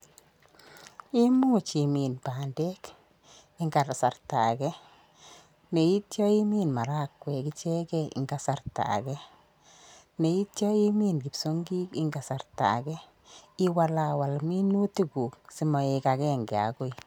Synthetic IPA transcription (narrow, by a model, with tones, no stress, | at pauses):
i˦mu˦t͡ʃi˨mi˨nbaː˨ndɛ˦k | ɪ˦ŋɡa˨ɾa˨sa˨rta̰˨ɡɛ˦ | ne˨i˦tjɔ˦i˦mi˦nma˨ɾa˦kwɛ˨ki˦t͡ʃɛ˦ɡɛ˦ḭ˨ŋɡa˨sa˨rta̰˨ɡɛ˦ | ne˨i˦tjɔ˦i˦mi˦nɡi˨pso˦ŋɡi˦ki˦ŋɡa˨sa˨rta̰˨ɡɛ˦ | i˦wa˦la˨wa˨lmi˦nu˦ti˦ɡu˨ksi˦mɔ˨e˨˧ka˨kɛ˦ŋɡɛ˨a̰˨ɡo˦i˨